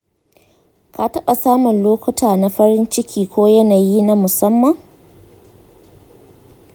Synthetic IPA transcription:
ka˨tɐ˦ɓa˨saː˦mʊ˨nloː˦kʷʊ˦tʰaː˨na˦ɸɐ˦ɾɪ˦nt͡ʃɪ˦kʲiː˨kʷoː˦jɐ˦naː˨ji˦na˦mʊ˨sɐ˦mːɐ˨ŋ

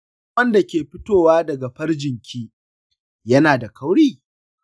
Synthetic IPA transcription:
ɐ˦nda˨kʲeː˨ɸɪ˦toː˦˨waː˦dɐ˨ɡa˨ɸɐ˦rd͡ʒɪ˨ŋkʲʰiː˦ | jɐ˦naː˨da˨kɐ˦wɽiː˦˨

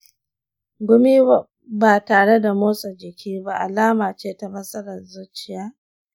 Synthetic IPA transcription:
ɡʷʊ˦miː˦ | baː˨taː˨ɽe˦da˨moː˦so˨d͡ʒɪ˨kʲʰiː˦ba˦ʔa̰˨laː˦maː˨t͡ʃeː˦ta˨mɐ˦sʼɐ˦ɾɐ˨nzʊ˦t͡ʃɪ˨jaː˦

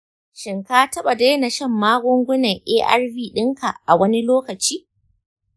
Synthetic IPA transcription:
ʃɪ˨ŋkaː˦tɐ˦ɓa˨de˦na˨ʃɐ˦˨mːaː˦ɡʷʊ˦ŋɡʷʊ˦nɐ˨ŋʔeː˦ʔɐ̰˦rviː˦˨ɗɪ˦ŋka˨ʔa˨wɐ˦ni˦loː˦kɐ˨t͡ʃiː˦

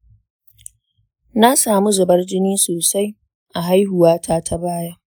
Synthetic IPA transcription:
na˦saː˨mu˦zʊ˨bɐ˦rd͡ʒɪ˦niː˦soː˨sa˦j | ʔa˨ɦa˦jɦʊ˨waː˦tʰaː˦tʰa˦baː˦ja˦

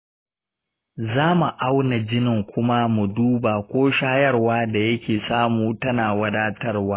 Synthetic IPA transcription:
zaː˦mu˨ʔa˦wna˨d͡ʒɪ˦nɪ˨ŋkʷʊ˦ma˦mu˨duː˦baː˨kʷoː˦ʃaː˦jɐ˦rwaː˦da˨jɐ˦kʲeː˨saː˦muː˨tɐ˦naː˨wɐ˦daː˦tɐ˦rwaː˦

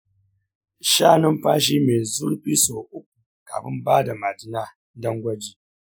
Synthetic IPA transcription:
ʃaː˦nɪ˦mɸaː˦ʃ̬iː˦meː˨zʊ˦lɸiː˦soː˨ʔʊ˦k̚u˨ | ka̰˨ɸɪ˦mbaː˦da˨ma˨dɪ˦naː˦ | dɐ˦ŋɡʷɐ˦d͡ʒiː˦

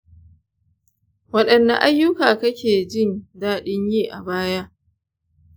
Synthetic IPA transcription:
wɐ˦ɗɐ˨nːɐ˦˨ʔa˦jːʊ˦kaː˨kɐ˦kʲeː˨d͡ʒɪ˦ndaː˦ɗɪ˦ɲjiː˦ʔa̰˨baː˦ja˦ʔ

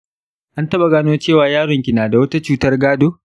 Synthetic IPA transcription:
ʔa˦ntɐ˦ɓa˨ɡaː˦noː˦t͡ʃeː˦˨waː˨jaː˦ɽɔ˨ŋkʲɪ˨naː˨da˨wɐ˦ta˦t͡ʃuː˦tɐ˦rɡaː˦doː˦

